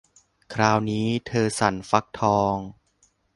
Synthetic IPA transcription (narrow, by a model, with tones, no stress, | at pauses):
kʰɾaː˧wniː˦˥t̪ʰɤː˧sa̰˩˦nfa˦˥k̚t̪ʰɔː˧ŋ